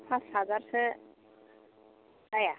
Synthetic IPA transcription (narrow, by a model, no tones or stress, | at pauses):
pʰãshazaɾsɛ | daja